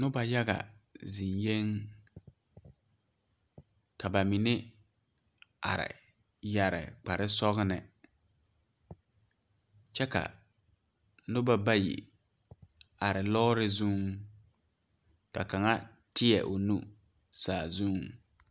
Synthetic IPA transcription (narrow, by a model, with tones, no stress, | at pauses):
nʊ˦ba˨ja˦ɣa̰˨zi˨nje˦ŋ | ka˨ba˨mi˨nɪ˦ | a̰˨ɾɪ̰˨ | ja˨ɾɪ̰˨k͡pa˨ɾɪ˦sɔ˦ɣnɪ˨ | t͡ʃɛ˦ka̰˨ | nʊ˦ba˦ba˦jḭ˨ | a˨ɾɪ˨lɔː˦ɾɪ˦zu˦ŋ | ka˨ka˨ŋa˦ | tɪ˦ɛ˨ʔʊ˨nu˦ | saː˨zu˦˨ŋ